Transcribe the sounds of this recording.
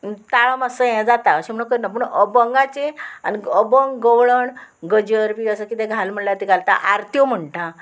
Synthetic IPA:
t̪aɭəməsəjɛ̃d͡zat̪aəɕem̤əɳ̃əkəɾnapəɳəbəŋɡat͡ɕea̰niəbəŋɡɡəwɭəɳɡəd͡ʑəɾpiəsəkit̪ẽɡʱalm̤əɽljat̪iɡʱalt̪a̰ʔaɾt̪jom̤əɳʈa

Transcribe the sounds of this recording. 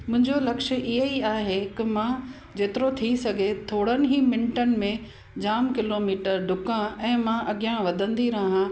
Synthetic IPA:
mʊ̃ɦɪ̃ɲd͡ʑolɐkʃə̆ʔɪɦəiaːɦekɪmã | d͡ʑeːt̪ɪɾot̪ʰisɐɡʱet̪ʰoːɽənɪ̆ɦiːmɪ̃ɳʈənɪ̆mẽ | d͡ʑaːmkɪloːmiːʈəɾɖʱʊkãɛ̃ːmãʔɐɠijãʋɐd̪ʱə̃nd̪iɾɐɦã

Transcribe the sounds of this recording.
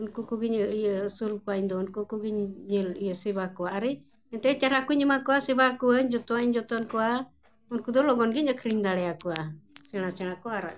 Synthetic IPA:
unkukuɡiɲəijəsulkɔaiɲd̪ɔunkukuɡiɲːilijəsibakɔaːɾi | ɛnt̪ɛtaɾakuɲimakɔwasibakuaɲd͡ʒɔt̪ɔaiɲd͡ʒɔt̪ɔnkɔwa | unkud̪ɔlɔɡɔnɡiɲakʰɾiɲd̪aɽɛakuasɛɽ̃asɛɽ̃akɔaɾa̰ʔ

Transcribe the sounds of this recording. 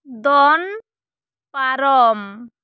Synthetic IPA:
d̪ɔn | paɾɔm

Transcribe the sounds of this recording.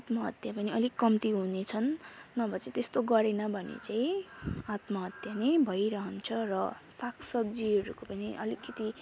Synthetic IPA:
t̪mʌɦʌt̪japʌniʌlikʌmt̪iɦunet͡sʰʌnːʌbʱʌt͡set̪est̪oɡʌɾenʌbʱʌnḛt͡saĩat̪mʌɦʌt̪janebʱʌjɾʌɦʌnt͡sʰʌrʌsakʰsʌb̚d͡ziɦʌɾukopʌniʔʌ̰likːʌt̪i

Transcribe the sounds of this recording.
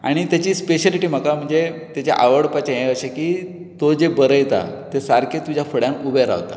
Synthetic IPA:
a̰ɽ̃it̪jat͡ɕiːspeɕəliʈiːm̤əkam̤əɳd͡zet̪jat͡ɕa̰ʔaʋəɽpat͡ɕajẽəɕekiː | t̪od͡ʑebəɾəjt̪a̰t̪esaɾkʰet̪ud͡ʑjafəɽjãnubʱəjɾa̰ʋt̪a̰

